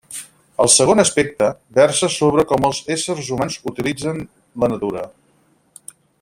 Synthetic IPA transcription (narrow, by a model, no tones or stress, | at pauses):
əlˠsəɣ̞onəspɛk̚t̪əbɛrsəsoβɾəkɔməlˠzesərzumanzut̪ilid͡zən | lənət̪uɾə